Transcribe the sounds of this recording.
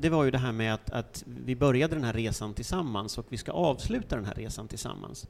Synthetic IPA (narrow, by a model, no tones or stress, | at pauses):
d̪ɛvaɾjɵd̪ɛɦæːɾmɛat̪a̰t̪vɪbœɾjad̪əd̪ɛnɦæɾeːsant̪ʰɪlsamːansɔkvɪska̰ʔɑːvslʉ̟ːt̪ad̪ɛnɦæ̰ːɾʔeːsant̪ʰɪlsa̰mːa̰ns